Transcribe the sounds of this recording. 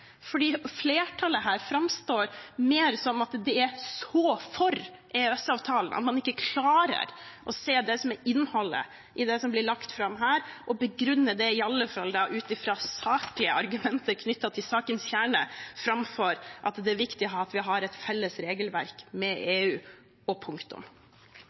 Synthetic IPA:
fɔɖiːfleːʈʰɑləɦæːɾfɾɑmst̪oːɾmeːɾsɔmɑt̪d̪ɛæsɔfɔɾʔeːɛsɑːʋt̪ʰɑːlnʔt̪mɑnɪkːəkʰlɑːɾə̰ɾʔɔseːd̪ɛsɔmɛɪnːhɔlːə̰ | ʔɪd̪ɛsɔmblɪɭɑkt̪fɾɑmɦæːɾʔɔbəɡɾʉnːəd̪ɛɪɑlːəfɑld̪ɑʔʉːt̪ɪfɾɑːsɑːkəlɪəɑɾɡʉmɛnt̪əɾkʰnʏt̪ːɑt̪ʰɪlsɑːkənsçæːɳəfɾɑmfɔɾʔɑt̪d̪ɛæʋɪkt̪ɪɦɑt̪ʋɪɦɑɾɛt̪fɛlːəsɾeːɡəlʋæ̰ɾkmɛʔeːʉː | ɔpʰʊŋkt̪ʊ̰m

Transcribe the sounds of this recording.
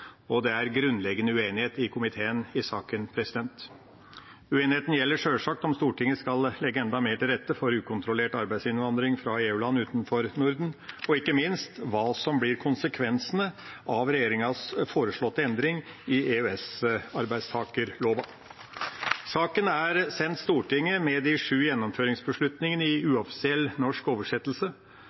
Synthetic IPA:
ɔd̪ɛæɾɡɾʉnːlɛɡənəʉeːnɪheːt̪ɪkʰʊmɪt̪ʰeːənɪsɑːkənpʰɾɛsɪd̪ɛnt̪ | ʉeːnɪheːt̪n̩jɛlːəʂøːlʂɑk̚t̪ɔmst̪uːʈɪŋːəskɑllɛɡəɛnd̪ɑmeːʈʰɪlɾɛt̪ːəfɔɾʉːkʰʊnt̪ʰɾʊleːʈɑɾbæɪsɪnʋɑnd̪ɾɪŋfɾɑeːʉːlɑnːʉːt̪n̩fɔɾnʊɾd̪n̩ɔɪkːəmɪnst̪ʋɑːsɔmblɪɾkʰʊnsəkʰʋɛnsənəʔɑʋɾɛjeːɾɪŋɑsfoːɾəʂɭɔt̪ːəɛnd̪ɾɪŋɪeʉɛsɑɾbæɪst̪ʰɑːkəɾloːbɑ | sɑːkənæɾsɛnt̪st̪uːʈɪŋːəmɛd̪ɪʂʉːjɛnːɔmføːɾɪŋsbəʂɭʉt̪nɪŋənəɪʉːɑfɪ̥sɪɛlːnɔʂkoːʋəʂɛt̪ːəlsə

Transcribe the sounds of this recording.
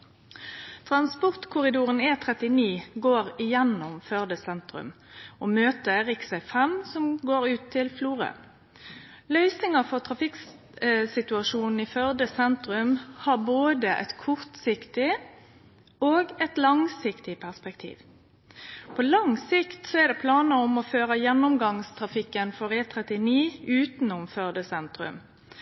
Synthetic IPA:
t̪ʰʁɑnspɔʁt̪kʰʊɾɪd̪uːʁəneːt̪ʰɾɛt̪ɪniːɡoːʁɪjɛnːɔmfœʁd̪əsɛnt̪ʁʉ̰m | oːmøːt̪əɾɪksæɪfɛmsɔmɡoːɾʉːt̪ʰːɪlfluːʁə̰ | lœʏsɪŋəfɔt̪ʰɾɑfɪk | sɪt̪ʉɑʂuːnn̩iːfœʁd̪əsɛnt̪ɾʉmhɑːʁboːd̪əʔɛ̰t̪kʰɔʁt̪sɪkt̪ɪ | oːɡɛt̪lɑŋsɪkt̪ɪpʰæʁspɛkt̪ʰḭːʋ | pʰɔlɑŋsɪkt̪sɔɛʁd̪ɛpʰlɑːnəɔmɔføːɾəjɛnːʊmɡɑŋst̪ʰɾɑfɪkːənfɔʁɛːt̪ʰɾɛt̪ɪniːʉːt̪nʊmfœʁd̪əsɛnt̪ɾʉ̰m

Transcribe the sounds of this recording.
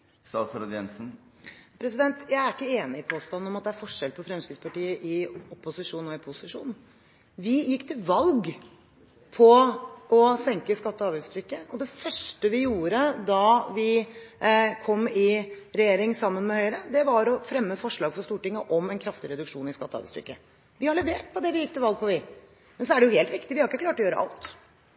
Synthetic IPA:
sɑːsɾɑd̪jɛnsn̩pʰɾɛs̬ɪd̪ɛnt̪jæɪæɾɪkːəeːnɪpʰoːst̪ɑnːɔmɑt̪̚d̪ɛæɾfɔʂɛlpʰɔfɾɛmskɾɪt̪spʰɑʈiːəʔɪɔpːʊsɪʂuːnɔɪpʰʊsɪʂuːn | ʋɪjɪkːt̪ʰɪʋɑlɡ | pʰɔɔsɛŋkəskɑt̪ːɔɑːʋʉːst̪ʰɾʏkːəɔd̪ɛfœʂʈəʋɪjuːɾəd̪ɑʋɪ | kʰɔmːɪɾɛjeːɾɪŋsɑmːənmɛhœʏɾəd̪ɛʋɑɾɔfɾɛmːəfɔʂɭɑːɡfɔɾʂt̪uːʈɪŋːəʔɔmɛnkʰɾɑft̪ɪɾɛd̪ʉkʂuːnɪskɑt̪ːɑ̰bɛ̰st̪ɾʏ̰kːə | ʋɪhɑɭɛʋeːʈ̚pʰɔd̪ɛʋɪjɪkːt̪ɪlʋɑlɡ̚pʰɔʋɪ | mɛns̬ɔæɖɛjʊheːlt̪ɾɪkt̪ɪʋɪhɑɾɪkːəklɑːʈɔjøːɾəʔɑ̰lt̪

